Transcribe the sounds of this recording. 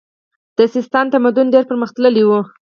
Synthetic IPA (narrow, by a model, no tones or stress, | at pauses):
d̪̥əsɪst̪ɑnt̪amad̪ʊnɖeɾpəɾməxt̪ləliwu